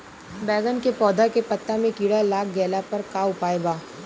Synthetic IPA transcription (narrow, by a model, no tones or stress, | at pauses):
bɛːɡənkepɔːd̪ʱakepɐt̪ːamẽkiːɽalaːkɡɛːlapɐɾkaːʊpaːeɡaː